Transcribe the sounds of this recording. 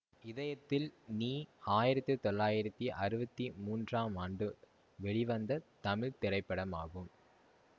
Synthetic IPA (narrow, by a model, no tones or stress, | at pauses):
ɪðɐjɐt̪ːɪlniːaːjɪɾɐt̪ːɯt̪ɔɭːaːjɪɾɐt̪ːiʔɐɾɯbɐt̪ːimuːndraːmaːɳɖɯ | ʋɛɭiʋɐnd̪ɐt̪ɐmɪɻt̪ɪrɐɪpːɐɽɐmaːɣɯm